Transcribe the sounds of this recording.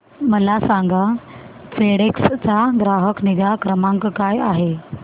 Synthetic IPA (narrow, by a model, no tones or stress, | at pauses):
məlasãŋɡa | feɽekst͡saɡɾaɦəkniɡakɾəmãŋkkajaɦe